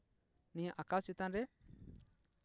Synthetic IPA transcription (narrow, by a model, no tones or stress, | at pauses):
niɲaʔakawt͡ʃit̪anɾɛ